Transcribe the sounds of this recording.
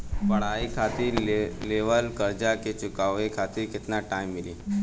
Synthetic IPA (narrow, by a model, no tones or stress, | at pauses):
pɐɽ̤aːikʰat̪iɾleʋəlkəɾd͡ʒaket͡ʃʊkaːʋekʰaːt̪ɪɾkɪt̪naʈaːimːɪliː